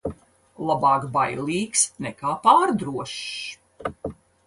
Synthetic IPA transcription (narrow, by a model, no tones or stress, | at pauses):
lˠabɑːkbajlˠiːksnɛkaːpaːɾd̪ɾuɔʃ